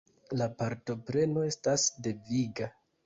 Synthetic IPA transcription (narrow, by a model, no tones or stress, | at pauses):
lapaɾto̞pɾe̞no̞e̞stasde̞viɡa